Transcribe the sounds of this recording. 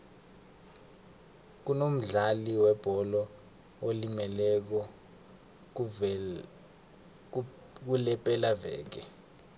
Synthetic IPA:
k̬unom̩ɮaliwɛb̥ʱɔlɔ | olimɛlɛk̬ɔ | k̬ulɛpʼɛlavɛ̰ːk̬ɛ

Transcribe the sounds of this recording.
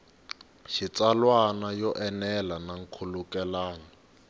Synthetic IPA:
ʃit͡salwanajɔʔɛnɛlanaŋ̩kʰulukɛlaːna

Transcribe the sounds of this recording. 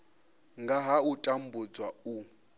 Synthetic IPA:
ŋɡaɦautʼam̩bud͡zwau

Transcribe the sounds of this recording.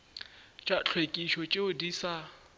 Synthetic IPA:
t͡ʃʼat͡ɬʰwekʼiʃɔt͡ʃʼeʊdiːsa

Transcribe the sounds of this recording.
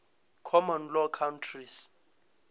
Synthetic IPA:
kʰɔmɔnlɔkʰawntʰris

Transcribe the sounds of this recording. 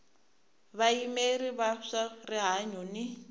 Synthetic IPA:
βaimeriβaʂariɦaɲuni

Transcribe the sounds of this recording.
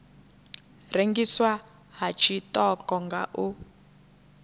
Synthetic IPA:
reŋɡiswa | ɦat͡ʃʰitʼɔkɔŋɡa̰ʔu

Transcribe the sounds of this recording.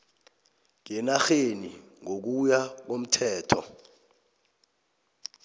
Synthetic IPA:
k̬ɛnaxenḭ | ŋok̬ujak̬om̩tʰɛːtʰɔ̰

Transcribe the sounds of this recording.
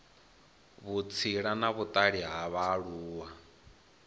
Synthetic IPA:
βut͡sʰiɺanaβut̪ʼaɺiɦaβaɺuːwa

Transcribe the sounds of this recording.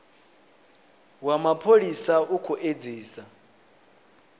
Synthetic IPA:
wamapʰolisaukʰuʔed͡ziːsa

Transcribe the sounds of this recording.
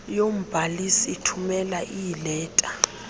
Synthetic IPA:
jom̩b̥ʱalisiitʰumɛlaʔijilɛːtʼa

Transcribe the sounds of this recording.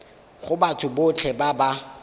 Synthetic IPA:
χʊbatʰʊbʊt͡ɬʰɛbaba

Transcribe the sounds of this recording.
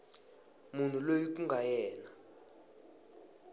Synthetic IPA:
mun̤ulojik̬uŋɡʱajɛːna

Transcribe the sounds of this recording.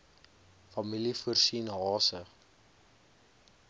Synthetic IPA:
fɐmilifuərsinɦɑːsə

